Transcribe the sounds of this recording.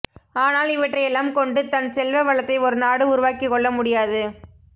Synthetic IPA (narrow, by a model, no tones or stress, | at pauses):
aːnaːlɪʋɐʈːrɐɪjɛlːaːmkɔɳɖɯt̪ɐnsɛlʋɐʋɐɭɐt̪ːɐɪɔɾɯnaːɽɯʊɾʊʋaːkiɪkːɔɭːɐmʊɽɪjaːðɯ